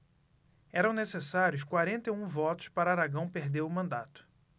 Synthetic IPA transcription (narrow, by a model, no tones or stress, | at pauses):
ɛɾɐ̃w̃nesesaɾʲjʊs̬kwaɾẽnt̪eũvɔt̪ʊ̥spaɾɐaɾaɡɐ̃w̃peɾd̪eɾʊmɐ̃nd̪at̪ʊ̥